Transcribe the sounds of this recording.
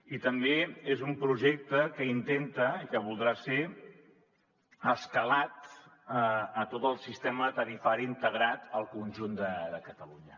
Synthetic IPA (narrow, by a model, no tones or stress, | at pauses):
it̪əmbeezumpɾuʒek̚t̪əkəint̪ent̪əikəβ̞ulˠd̪ɾase | əskəlat̪əːt̪ot̪əlˠsist̪ɛmət̪əɾifaɾiːnt̪əɣ̞ɾat̪əlˠkunʲʒund̪əd̪əkət̪əluɲə